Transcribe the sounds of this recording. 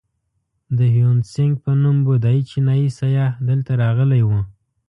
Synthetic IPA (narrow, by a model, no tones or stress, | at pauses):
d̪əhjunsɪŋɡ̚pənumbod̪ɑjit͡ʃinɑjisajɑd̪əlt̪aɾɑɣəlajwə